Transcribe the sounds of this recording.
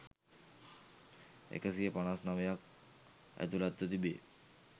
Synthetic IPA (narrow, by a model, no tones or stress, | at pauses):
ḛkasiepañasnaʋejak̚ | æ̰t̪ulat̪ːot̪ibe